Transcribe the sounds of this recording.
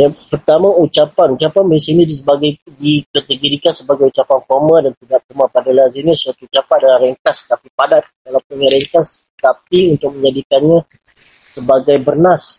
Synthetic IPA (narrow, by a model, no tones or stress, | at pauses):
japərt̪amãut͡ʃapanut͡ʃapanbəesainidis̬əbaɡajdikat̪əɡoɾikansəbaɡajut͡ʃapanfɔrmãdant̪iɡaʔ̚kəmapadalasinisuat̪uːt͡ʃapat̪̚dalarɛŋk̪ast̪apipadat̪̚alapunjaɾɛŋk̪as | t̪apiunt̪ʊk̚mə̃ɲd͡ʒadikanɲã | səbaɡajbərnas